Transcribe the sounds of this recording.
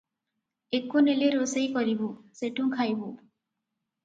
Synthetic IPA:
ekːuneleɾosejkɔɾibuseʈʰuŋkʰajbu

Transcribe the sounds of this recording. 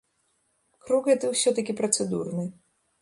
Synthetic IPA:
kɾuɣɛt̪ɨwsʲɔt̪ɐkʲipɾɐt̪sɛd̪urnɨ

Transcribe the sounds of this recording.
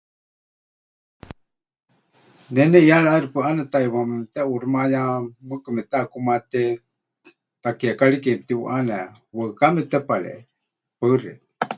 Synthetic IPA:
nɛnɛjaɺaɾipɨʔanɛt̪aiwamɛt̪ɛuɾmajamɨkɨmɛt̪aʔkumat̪ɛ | t̪akiakaɺikipt̪iwṵʔanɛ | wəɨkamɛt̪ɛpaɺɛ̰ | pərɛ

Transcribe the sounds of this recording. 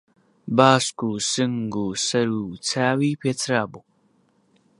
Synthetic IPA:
baːskusɨŋɡusɐɾut͡sʰaːwipʰet͡sʰɾabo

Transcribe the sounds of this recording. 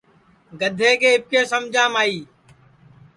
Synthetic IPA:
ɡəd̪ʱeːkeːɪp̚keːsəmd͡ʒʱãːmaːiː

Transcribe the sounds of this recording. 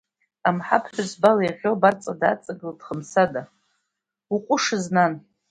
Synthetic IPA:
amħapʰħʷᶣʊzbalajʁʲobart͡sʼadat͡sʼaɡɨld̥χəmsada | uqʷʼʊʂɨznan

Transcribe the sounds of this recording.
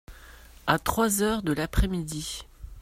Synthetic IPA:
at̪χwazœʁd̪əlapχɛmid̪i

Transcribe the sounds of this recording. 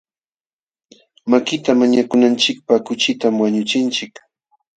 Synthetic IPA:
makɪt̪amaɲakʊnant͡ʃɪk̚pakʊt͡ʃɪt̪amwaɲʊt͡ʃɪnt͡ʃɪk

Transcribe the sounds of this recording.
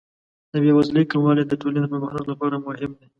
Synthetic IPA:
d̪̥əbjewazlekamwɑled̪əʈoled̪əpamaxnaklapɑɾamʊhɪmd̪e

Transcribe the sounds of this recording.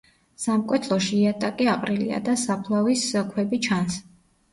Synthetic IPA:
samkʼwɛt̪ʰlˠɔʃiːat̪ʼakʼiaqʼɾilḭa̰d̪asapʰlˠaviskʰwɛbit͡ʃʰans

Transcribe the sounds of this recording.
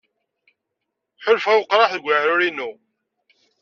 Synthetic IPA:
ħʊlfæwəqɾˤɑħðɡʷəʕɾʊɾinːu

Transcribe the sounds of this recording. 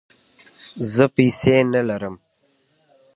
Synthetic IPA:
zəpisenalaɾəm

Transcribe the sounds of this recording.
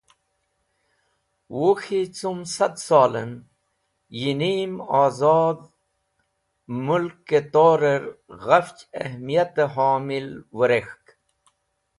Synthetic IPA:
woxit͡sumsɐd̪saːlə̰n | jiniːmaːzɑːd̪ | mulkːet̪oːɾeɾɣɐft͡ɕḛhmijat̪eɦaːmilwəɾexk

